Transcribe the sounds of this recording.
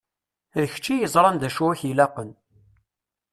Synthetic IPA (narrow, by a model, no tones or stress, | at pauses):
ðəç̥t͡ʃːijəzˤɾˤɑnd̪æʃuwæçjilæqən